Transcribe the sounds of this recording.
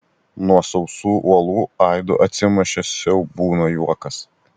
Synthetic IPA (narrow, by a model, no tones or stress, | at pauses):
nuɔsɔʊsuːʔuɔlˠuːɐɪd̪o̰ʔɐt̪ʲsʲɪmʲɛʃʲɛsʲɛʊbuːnoːjuɔkɐs